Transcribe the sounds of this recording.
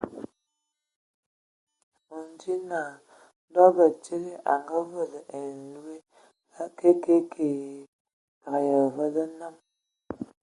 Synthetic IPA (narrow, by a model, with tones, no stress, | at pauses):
o˨n˨d͡ʒi˦na˨˦ | dɔ˦bə˨t͡ʃe˦ɣe˦ʔa˨ŋɡə˦və˦˨lə˨ʔe˨n̩˨lu˦e˦ | a˦ke˦ke˦kʰe˨ | ka˨ɣjə˨və˦lə˦na˦m